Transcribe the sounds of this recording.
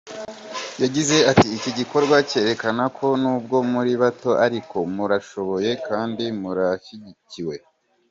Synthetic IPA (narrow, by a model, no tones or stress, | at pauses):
jaɟize̞atiːciɟiko̞ɾɡwace̞ːɾe̞kanakʰo̞nuːb̚ɡo̞muɾiβato̞ʔaɾiko̞muɾaʃo̞βo̞je̞kʰaːndimuɾaʃiɟiciwe̞